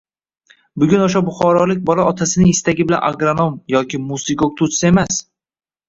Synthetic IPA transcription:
bʊɡʲʊnoʃ̬abʊχɒɾɒlɪk̚ʲbɒlaɒt̪ʰasɪnɪŋɪst̪aɡʲɪbɪla̰nʔa̰ɡɾonomjɒkʲʰɪmusɪɡok̚t̪ʰʊt̪sae̞mas

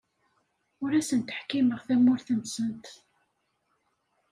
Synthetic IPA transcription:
ʊɾæsənt̪ə̥ħkiməʁθæmːʊɾθənsənt̪

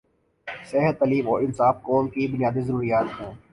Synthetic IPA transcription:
seɦət̪ːɐliːmɔːɾɪnsaːfkɔːmkibʊnijaːd̪izəɾuːɾijaːt̪ɦẽː

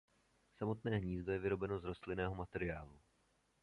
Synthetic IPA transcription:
samo̞t̪nɛːɦɲiːzd̪o̞jɛvɪɾo̞bɛno̞zɾo̞st̪lɪnɛːɦo̞mat̪ɛɾɪaːlu

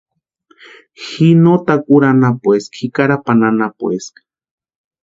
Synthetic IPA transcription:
xinot̪akʼuɾanapweskxikaɾapananapweskḁ

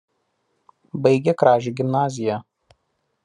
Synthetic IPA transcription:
bɐɪɡʲɛkɾɑːʒʲiːɡʲɪmnɑːzʲɪjɛ

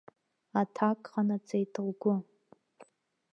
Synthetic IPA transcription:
atʰakʼχanat͡sʰʼejtʰɨʁʷɡʷʊ

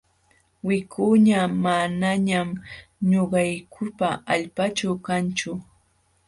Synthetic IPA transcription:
wɪkʰuɲamanaɲamɲoɢɑjkʰʊpaaʎpat͡ʃawkant͡ʃʊ

